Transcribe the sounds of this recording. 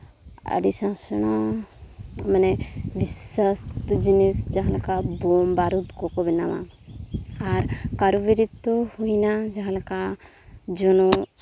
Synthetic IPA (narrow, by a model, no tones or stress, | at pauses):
ə̰ɖisãsɔna | manɛbisəst̪d͡ʒinisd͡ʒaɦãlakabɔmbaɾut̪kɔkɔbɛnama̰ | aɾkaɾubiɾit̪ːɔhujnad͡ʒaɦãlaka | d͡ʒɔnɔ